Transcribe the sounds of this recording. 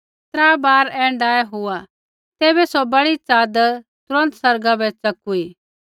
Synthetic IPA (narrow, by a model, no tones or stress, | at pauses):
t̪ɾaːbaːɾɛːɳɖaːjeɦʊa | t̪eːbɛsɔbɐɽit͡saːd̪ | t̪ʊɾə̃nt̪sɐɾɡabɛt͡sɐkuiː